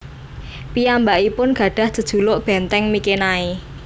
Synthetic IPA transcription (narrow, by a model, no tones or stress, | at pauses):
piambaʔipʊnɡ̥ä̤ɖ̥ä̤hdʒ̥ə̤d̥ʒ̥ṳloʔb̥ɛnt̪ɛŋmikenae